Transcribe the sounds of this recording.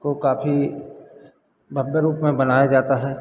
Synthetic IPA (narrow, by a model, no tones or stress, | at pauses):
kokaːfi | bʱɐbjəɾuːpmẽbɐnaːjad͡ʒaːt̪aɦɛː